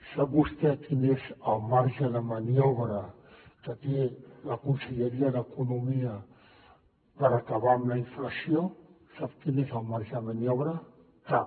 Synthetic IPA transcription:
sabust̪ɛkʰinesalmaɾʒadamanioβɾa | t̪at̪elakunseʎeɾiad̪aekunomia | paɾakaβamlaiɱflasio | sapkinezalmaɾʒamanioβɾa | k̪a

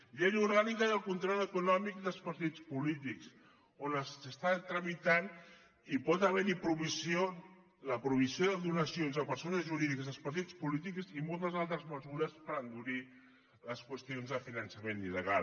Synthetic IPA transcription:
ʎenuɾɣanikəəlˠkunt̪ɾɔləkunɔmik̚d̪əlˠspɐɾt̪it͡spulit̪iks | onəssəst̪at̪ɾəmit̪an | ipɔt̪əβɛɾipɾuβisjo | ləpɾuβisioðəðunəsionzəpəɾsonəzʒuɾiðikəzðəlˠspəɾt̪̬it͡spulit̪̬ikzimolˠt̪əzalˠt̪ɾəzməzuɾəspəɾənd̪uɾi | ləskwəst̪ionzðəfinənsəmeniləɣa̰

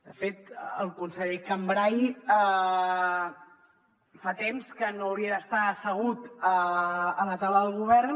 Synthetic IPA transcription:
d̪əfet̪əlˠkunsəʎekəmbɾajə | fat̪emskənoəwɾiəðəst̪aəsəɣ̞ut̪əələt̪aləðəlˠɣuβ̞ɛrn

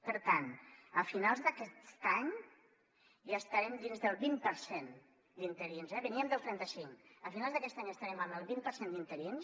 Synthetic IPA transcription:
pəɾt̪anəfinalˠzðəkɛst̪aɲ | ast̪aɾɛmd̪inzðəlˠβimpəɾsen | d̪int̪əɾinzɛβəniəmd̪əlˠt̪ɾɛnt̪əsiŋəfinalˠzðəkɛst̪aɲəst̪aɾɛməməlˠβimpəɾsend̪int̪əɾins

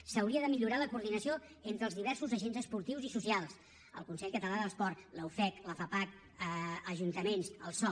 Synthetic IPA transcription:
səwɾiəðəmiʎuɾaləkuːɾðinəsio | ent̪ɾəlzðiβɛɾsuzəʒenzəspuɾt̪iwzisusialˠs | ə̰lˠkunsɛʎkət̪əlaðəlˠspɔrləufɛkləfapak | əəʒunt̪əmensəlˠsɔ

